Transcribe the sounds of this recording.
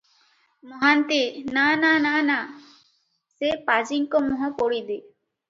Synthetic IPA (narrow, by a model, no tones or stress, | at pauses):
mɔɦant̪enananana | sepad͡ʒiŋkɔmɔɦɔ̃poɽid̪i